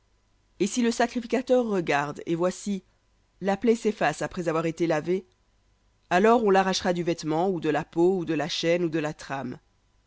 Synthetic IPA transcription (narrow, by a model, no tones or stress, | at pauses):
esiləsakχifikʲat̪œʁːəɡaʁd̪ḛvwasi | laplɛsɛfasapχɛzavwaʁet̪elave | alɔʁɔ̃laʁaʃʁad̪yvɛt̪mɑ̃ud̪əlapoud̪əlaʃɛnud̪əlat̪χam